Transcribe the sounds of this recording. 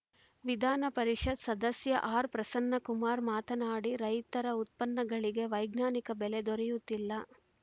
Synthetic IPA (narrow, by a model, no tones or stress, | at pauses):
ʋid̪ʱaːnɐpɐɾiʂɐd̪sɐd̪ɐsjɐʔaːɾpɾɐsɐnːɐkumaːɾmaːt̪ʰɐnaːɽiɾɐjt̪ɐɾɐut̪̚pɐnːɐɡɐɭiɡe̞ʋɐjɡnaːnikɐbɛled̪ɔɾɛjut̪ːilːɐ